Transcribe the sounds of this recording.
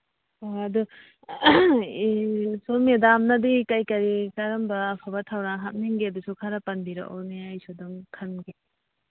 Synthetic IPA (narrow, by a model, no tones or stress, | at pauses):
oɐdu | somedamnɐdikajkɐɾikaɾɐmbɐːpʰabɐtʰawɾaŋɦat̚niŋɡeɐdusukʰaɾɐpɐnbiɾa̰kʔɔ̰neajsoduŋkʰɐmɡe